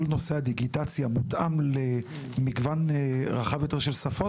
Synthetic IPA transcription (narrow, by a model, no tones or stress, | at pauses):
lno̞sehad̪iɡit̪at͡sjamut̪ʔamle | miɡvanʁaχavjo̞t̪e̞ʁʃelsafo